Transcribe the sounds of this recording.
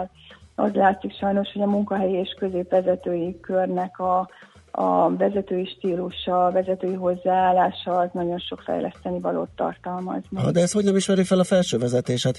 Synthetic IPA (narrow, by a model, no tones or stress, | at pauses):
l | ɒ̰zlaːt̪sikʃɒjno̞ʃho̞ɟɒmuŋkɒɦɛjieːʃkø̞zeːpʋɛzɛt̪øːjikørnɛkɒ̰ː | vɛzɛt̪øːjiʃt̪iːluʃɒvɛzɛt̪øːjiɦo̞zːaːaːlaːʃɒːznɒɟo̞nʃo̞kfɛ̰jlʔɛ̰st̪ɛnivɒlo̰ːt̪ːɒ̰rt̪ɒlmɒ̰zniɒ̰d̪ɛɛst̪ho̞ɟɛniʃmɛɾifɛlɒfɛlʃøːvɛzɛt̪eːʃhat̪